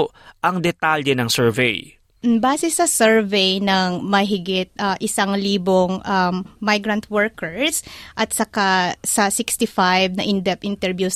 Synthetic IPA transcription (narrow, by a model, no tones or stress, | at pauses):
ʔɐŋd̪ɛt̪aljɛnɐŋsɛɹvɛj̩ | baːsɛsɐsɛɹvejnɐŋmɐɦɪɡɪt̪̚ʔɐʔɪsaŋliːboŋʔɐmːajɡɾɐnt̪̚wɛɹkɛɹsʔɐt̪sɐkasɐsɪkst̪ɪfajvnɐʔɪnd̪ɛp̚ʔɪnt̪ɛɹbjus